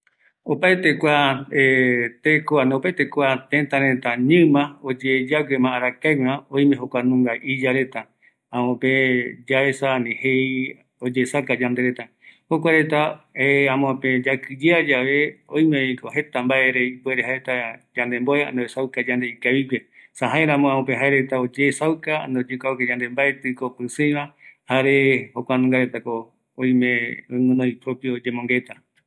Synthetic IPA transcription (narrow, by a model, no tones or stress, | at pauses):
opaet̪ekʷaet̪ekoanopaet̪ekʷat̪ẽt̪aɾẽt̪aɲɨ̃mãod͡ʒed͡ʒaɡemãːɾakajwãõj̃mẽɦokʷanũŋɡaʔid͡ʒaɾe̞t̪a | ãmõpẽd͡ʒaesanĩhei | od͡ʒesakad͡ʒãnd̪eɾet̪a | hokʷaɾe̞t̪aeãmõpẽd͡ʒakɨd͡ʒead͡ʒaʋe̞õj̃mẽkohe̞t̪ambaʔe̞ɾeibueɾeɦaeɾet̪ad͡ʒãnd̪e̞mboea̰noesawkad͡ʒand̪e̞ikaβikesaɦaeɾãmõãõpẽɦaeɾe̞t̪aod͡ʒesawkaa̰nd̪eod͡ʒekaoked͡ʒãnd̪e̞mbaet̪ɨkopɨsɨj̃βãhaɾe̞hokʷanũŋɡaɾe̞t̪akõː | j̃mẽoimɨ̃nõipɾopjiod͡ʒemõŋɡe̞t̪a